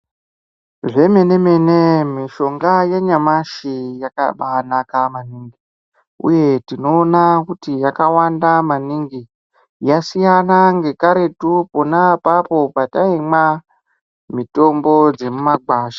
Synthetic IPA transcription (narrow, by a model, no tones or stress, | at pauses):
ʐe̞me̞ne̞me̞nemiʃo̞ŋɡajeɲamaʃijaka̰ɓanakamaniːŋɡi | ṵje̞tino̞ːnakutijakawandamaniŋɡi | jasijanaŋɡe̞kaɾe̞tupo̞napapo̞pataima | mito̞mbo̞d͡ze̞mumaɡwaːʃḁ